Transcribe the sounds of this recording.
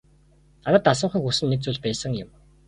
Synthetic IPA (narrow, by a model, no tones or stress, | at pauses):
aɾə̆t̪ːasə̆ɴχiːxusɘ̆nːek̚t͡suːɮpæːsə̆ŋjʊ̆m